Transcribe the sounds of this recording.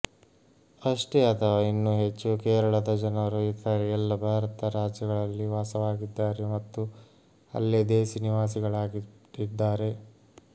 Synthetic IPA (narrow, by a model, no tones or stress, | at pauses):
ɐʂʈeɐt̪ʰɐʋaːinːuɦet͡ʃːukeːɾɐɭɐd̪ɐd͡ʒɐnɐɾuit̪ʰaɾeɛlːɐbʱaːɾɐt̪ɐɾaːd͡ʒjɐɡɐɭɐlːiʋaːsɐʋaːɡid̪ːaːɾemɐt̪ːu | ɐ̰lːed̪eːsiniʋaːsiɡɐɭaːɡiʈid̪ːaːɾe̞